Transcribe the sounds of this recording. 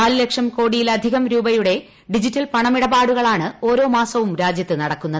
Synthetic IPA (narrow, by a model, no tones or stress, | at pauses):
aːlle̞kʂɐmko̞ːɽijilɐd̪ʱiɣɐmɾuːbɐjuɽe̞ | ɖid͡ʑitːɐlpɐɳɐmiɽɐbaːɽuɣɐɭaːɳɨo̞ːɾo̞ːmaːsɐʋumɾaːd͡ʑjɐt̪ːɨnɐɽɐkːunːɐðɨ